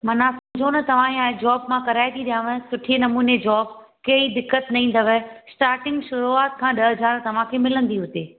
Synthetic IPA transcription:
mɐnãsɐ̃md͡ʑʱonɐt̪ɐʋ̤ãĩaːɦed͡ʑɔːbmãkɐɾaːɪd̪iɗijãʋə̃sʊʈʰienɐmuːned͡ʑɔːb̚kɐid̪ɪkːət̪nɐɦĩːn̆d̪əʋəsʈaːɾʈɪ̃ŋɡʃʊɾuaːt̪̚kʰãːɗɐɦəd͡ʑaːɾt̪ɐʋ̤ãkʰeːmɪlə̃nd̪iɦʊt̪eː

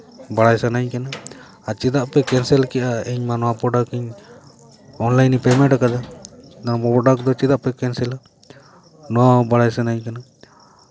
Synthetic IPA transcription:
baɽajsanaɲkanaː | t͡ʃid̪aʔpɛkɛnsɛlkɛʔaɛɲmanɔapɔɖakɛɲ | ɔnlajnipɛmɛ̃ʈakad̪ad̪anpɔpɔɖakd̪ɔt͡ʃid̪aʔpɛkɛnsɛla | nɔabaɽajsanaɲkana

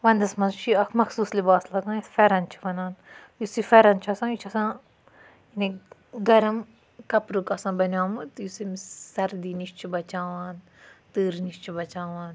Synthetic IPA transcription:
ʋɐnd̪ɐsmɐnt͡ʃʰiɐkʰmɐxsuːslibaːslɐɡãːisfɛɾɐnt͡ʃʰi̥ʋɐnaːn | jusifɛɾɐnt͡ʃʰɐsãːit͡ʃʰɐsãː | iniɡɐɾɐm | kɐpɾukɐsãːbɐnaːmɨt̪jusimsɐɾd̪iːniʃt͡ʃʰibɐt͡ʃaːʋaːn | t̪ɨːɾniʃt͡ʃʰibɐt͡ʃaːʋaːn

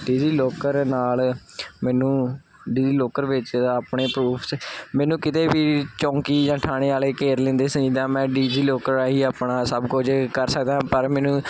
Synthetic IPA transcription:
ɖiːziːloːkəɾnaːlmɛːnũː | ɖiːziːloːkəɾʋɪt͡ʃaːpɳeːpɾuːpʰsmɛːnũːkɪt̪eːʋiːt͡ʃɔ̃ːŋkiːd͡ʒãːʈʰaːɽ̃eːaːleːkeːɾlẽːnd̪eːsəɲiːd̪aːmɛ̃ːɖiːd͡ʒiːloːkəɾaːɦiːaːpɳaːsəbkʊd͡ʒkəɾsəkd̪aːpəɾmɛːnũː

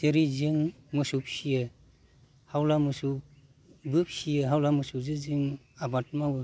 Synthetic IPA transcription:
teɾizɯŋmɯsup̚sijɯ | hawlamɯsu | bɯp̚sijɯɦawlamɯsuzɯzɯŋ | abat̚mawɯ

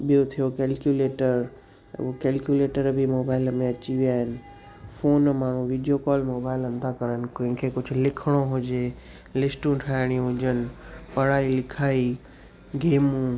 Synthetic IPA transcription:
ɓijot̪ʰijokɛːlkjuleːʈəɾ̰ | okɛːlkjuleːʈəɾbʱimoːbaːɪlmẽɐt͡ɕiʋiaːɦɪnɪ̆ | foːnmaːɳ̤ũʋiːɖijokɔːlmoːbaːɪlɐ̃nd̪ʱakɐɾənɪ̆kõːɦɪ̃kʰekʊd͡ʑʱʊ̆lɪkʰəɽ̃oɦʊd͡ʑe | lɪsʈũʈʰaːɪɽ̃ĩɦʊd͡ʑənɪ̆pɐɽaːilɪkʰaːi | ɡeːmũ

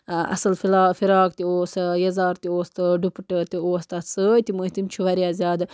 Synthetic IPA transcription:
ɐ̰sɐlfilaːfiɾɑːk̚t̪ioːsɨjɐzaːɾt̪ioːst̪ɨɖupʈət̪ioːst̪asəjt̪imuit̪imt͡ʃʰuʋɐɾʲjaːzʲjaːd̪

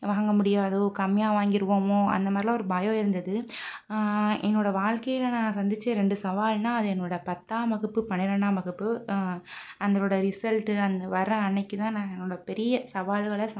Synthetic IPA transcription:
ʋaːŋɡɐmʊɽɪjaːðoːkɐmːɪjaːʋaːŋɡɪɾɯʋoːmoːɐ̰nd̪ɐmaːdðɾɪlaːɔɾɯbaːjõːɪɾɯnd̪ɐðɯ | ɛ̰nːoːɽɐʋaːɻkɐjɪlɐnãːsɐnd̪ɪt͡ʃːẽːɾɛɳɖɯsɐʋaːlnaːɐðɯɛnːoːɽɐpɐt̪ːaːmɐɣɯpːɯpɐɳɪɾɐɳːaːmɐɣɯpːɯ | ɐnd̪ɐɾoːɽɐɾɪsɐlʈɯɐnd̪ɐʋɐɾɐ̃ɐnːɐkːɯt̪ãːnãːɛnːoːɽɐpɛɾɪjɐsɐʋaːlɣɐɭɐs

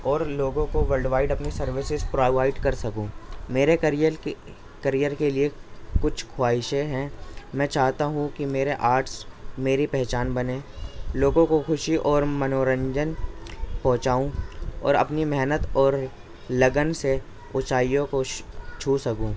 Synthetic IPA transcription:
ɔːɾloːɡõkoʋəɾɖʋaːɪɖɐpnisɐɾʋɪsɪzpɾoːʋaːɪɖkɐɾsɐkũːmeːɾekɾj | kɐɾijəɾkeliekʊt͡ʃʰkʰwaːɪʃeɦɛ̃mɛ̃ːt͡ʃaːɦt̪aɦũkimeːɾeʔaːɾʈsmeːɾipɛɦt͡ʃaːnbɐnẽːloːɡõkoxʊʃiʔɔːɾmɐnoːɾə̃ɲd͡ʒənpɔ̃ːt͡ʃaːũɔ̰ːɾɐ̰pnimɛɦnət̪ɔːɾ | lɐɡənse | ʊt͡ʃaːijõkot͡ʃʰuːsɐkũː

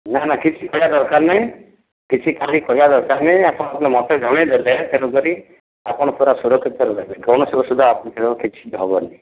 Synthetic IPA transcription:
nanakit͡ʃʰikɔɦjad̪ɔɾkaɾnaɦĩ | kit͡ʃʰikalikɔɦjad̪ɔɾkaɾnɛapɔɽ̃ɔ̃apnemɔt̪ʰeɡʱɔɽ̃ed̪ɔd̪aat̪ʰeɾuɡɔɾi | apɔɽ̃ɔp̪ʰuɾasuɾɔkʰit̪eɾuaɡɔñɔsebɔsud̪ʱaapnɔt̪ʰeɾokit͡ʃʰi̥d̪ʱɔbɔɾni

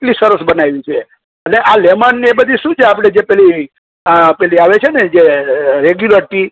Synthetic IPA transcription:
ʈlisəɾəsbənaʋit͡ʃʰe | əneʔalɛmanːiebəd̪ʱiʃũt͡ʃʰeapɽ̃ed͡ʒepɛli | pɛliaʋet͡ʃʰened͡ʒeɾeɡjuləɾʈi

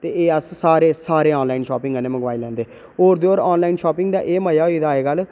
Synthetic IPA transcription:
t̪eːeːəssaːɾeːsaːɾeːɔːnlaːinʃɔːpɪ̃ŋɡənẽːməɡʋaːilɛ̃ːnd̪eː | oːɾd̪eːoːɾɔːnlaːiːnʃɔːpɪŋɡd̪aːʔeːməjaːoiːd̪aːeːɡəl

